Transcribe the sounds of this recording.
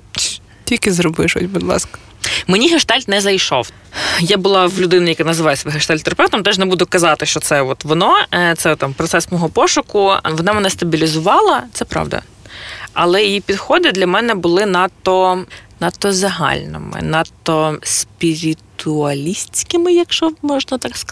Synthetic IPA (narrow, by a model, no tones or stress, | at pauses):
tʲilʲkɪzɾɔbɪʃɔ̰tʲbud̪lˠɑ̰skɐ̥ | menʲiɦɐʃt̪ɑlʲt̪nɛzɐjʃɔ̰w | jabʊlˠɑwlʲʊd̪ɪnɪjɐkanɐzɪʋɑjsʲʋɪɦeʃt̪ɑlʲt̪eɾɐpɛft̪ɔmt̪ɛʒnɛbud̪ʊkɐzɑt̪ɪʃt͡ʃɔsɛɔt̪ʋɔnɔt̪sɛt̪ɑmpɾɔt̪sɛsmɔɦɔpɔʃʊkʊʋɔnɑmenɐst̪ɐbʲilʲizʊʋɑlˠɐt̪sɛpɾɑ̰ʋd̪ɐ̰ | ɐlˠɛjjipʲid̪xɔd̪ɪd̪lʲɐmɛnɛbʊlˠɪnɑt̪ɔnɐt̪ːɔzɐɦɑ̰lʲnɪ̰mɪ̰nɐt̪ɔspʲiɾʲitt̪ʊɐlʲisʲt͡sʲkɪmɪjɐkʃɔmɔʒnɐt̪ɑksk